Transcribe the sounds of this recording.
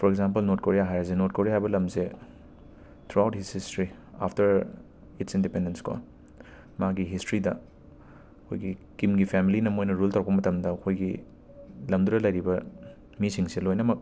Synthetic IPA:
pʰɔɾek̚zamp̬ɐlnot̚koɾijaɦajɐs̬enot̚koɾiahajbɐlɐmse | t̪ʰɾuawthisistɾi | a̰pʰtɐɾ | itsindipendenskʰo̰ | maɡiɦistɾidɐ | ɐkʰo̰jɡikimɡipʰemilinɐmojnɐɾultawɾɐkpɐmɐtɐmdɐːkʰojɡi | lɐmduɾɐlɐjɾibɐ | misiŋsilojnɐmɐk̚

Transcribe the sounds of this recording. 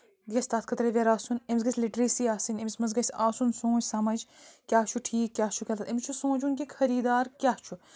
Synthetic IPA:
d̪jɐsʲt̪aːt̪kʰɐt̪ɾeʋʲeɾaːsunemʲs̬ɡɐsʲliʈɾisiːaːsinʲemisʲmɐzɡɐsʲaːsunsõːd͡ʒsɐmɐd͡ʒkʲaːt͡ʃʰuʈʰiːkːʲjaːt͡ʃʰukʲɐlɐt̪emʲt͡ʃʰusõːd͡ʒunkʲikʰɐɾiːd̪aːɾkʲaːht͡ʃʰu

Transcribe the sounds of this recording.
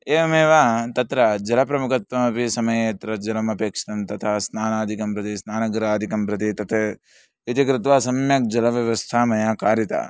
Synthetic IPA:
eːɐmeːʋaːt̪ɐt̪ɾɐd͡ʒɐlɐpɾɐmukɐt̪ʋɐmɐpisɐmɐjeːt̪ɾɐd͡ʒɐlɐmɐpeːkʂɐ̥ʈɐmt̪ɐt̪ʰaːsnaːnaːd̪ʱikɐmpɾɐt̪isnaːnɐɡɾaːd̪ʱikɐmɾɐt̪it̪ɐt̪ʰe | it̪ikɾɪt̪ʋaːsɐmjɐk̚d͡ʒɐlɐʋjɐʋɐst̪ʰaːmɐjaːkaːɾjɐt̪a̰ː

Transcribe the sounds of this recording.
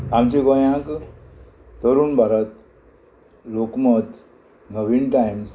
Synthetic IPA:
amt͡ɕeɡɔjãk | t̪əɾuːnbʱaɾət̪ | lokmət̪ | nəʋinʈajms

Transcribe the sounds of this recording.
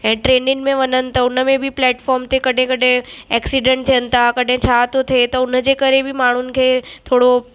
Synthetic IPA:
ɦɛ̃ːʈɾeːnɪ̃ŋmẽʋɐnənɪ̆t̪ɐʊnəmẽbʱiplɛːʈfɔːɾmt̪ekɐɖʱẽkɐɖẽɛːksiɖẽɳʈ̚t̪ʰijənɪ̆t̪ʰakɐɗ̤ʱẽt͡ɕʰaːt̪ot̪ʰet̪ɐʊnəd͡ʑeːkɐɾebʱɪmaːɳ̤ʊnɪ̆kʰeːt̪ʰoːɽo

